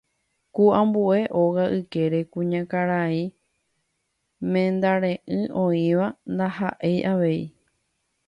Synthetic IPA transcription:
kuãmbue̞ʔo̞ɣaʔɨke̞ɾe̞kũɲãkaɾaĩ | mẽ̞nd̪aɾẽ̞ʔɨ̃õĩʋand̪aɦaʔe̞jʔaʋe̞i

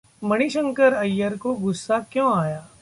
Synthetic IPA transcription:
mɐɽ̃iʃə̃ŋkəɾɐjːəɾkoɡʊsːakjõːaːjaː

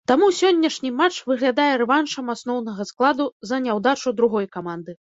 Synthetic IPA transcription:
t̪amusʲɔnʲːɐʂnʲimat͡ʂvɨɣlʲad̪ajɛɾɛvanʂɐmasn̪ɔwnɐɣɐsklˠad̪uzɐnʲawd̪at͡ʂud̪ɾuɣɔjkamand̪ɨ

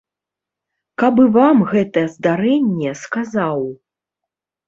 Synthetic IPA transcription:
kabɨvamɣɛt̪ɐjɛzd̪aɾɛnʲːɛskazaw

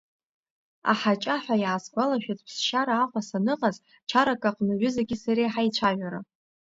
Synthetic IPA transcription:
a̰ħat͡ʃʼaħʷᶣajaːsɡʷalaʃᶣatʼpʰsʃaɾaːqʷʼasanɨqʼaz | t͡ʃʰaɾakʼaqʼnɨɥʷᶣʏzaɡʲɪsaɾiħajt͡ɕʷʰaʒʷᶣaɾa

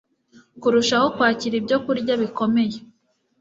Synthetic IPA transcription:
kuɾuʃaho̞kwaːciɾibɟo̞kuɾɟaβiko̞me̞je

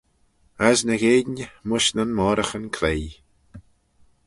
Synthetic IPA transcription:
asnəɣeːdɲəmʊʃnanmɔːɾəxənkʰleː

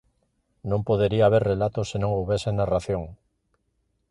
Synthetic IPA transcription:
nõmpoð̞eɾiaːβ̞eɾrelat̪osenõŋoβesenaraθjõŋ

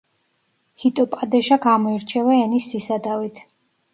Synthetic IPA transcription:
hit̪ʼɔpʼad̪ɛʃaɡamɔiɾt͡ʃʰɛvɛɛnisːisad̪avit̪ʰ

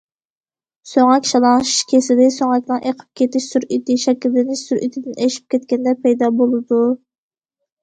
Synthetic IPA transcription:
søŋɛkʲʃɑlˠɑŋʃʃkʲʰesɪd̪ɪsøŋɛkʲnɨŋʔeqʰə̥p̚kʲʰet̪ɪʃsuɾit̪ʰɪʃɛkʲillːɪnɪʃsuɾy̰t̪ʰɪd̪ɪneʃi̥p̚kʲʰɛt̪kʲɛnd̪ɛpʰɛjd̪ɑːbolˠɨd̪u

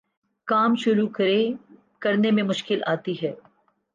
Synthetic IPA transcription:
kaːmʃʊɾukɐɾe | kɐɾnemẽmʊʃkɪlʔaːt̪iɦɛː

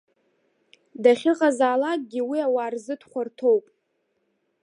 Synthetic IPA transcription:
daχʲɪqʼazaːlak̚ʼɡʲiwiawaːrzɨdʰχʷartʰowpʼ

